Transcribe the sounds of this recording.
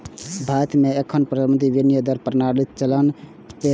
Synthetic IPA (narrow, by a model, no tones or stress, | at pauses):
bʱat̪meekʰənpɾəd̪mənt̪iʋinijəd̪əɾpɾnaɽit̪̚t͡ʃələn | t̪e